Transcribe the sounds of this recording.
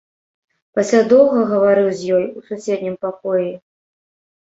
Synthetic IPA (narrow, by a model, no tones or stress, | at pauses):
pɐsʲlʲad̪ɔwɣɐɣɐvaɾɨwzʲjɔjususʲed̪̚ʲnʲimpakɔji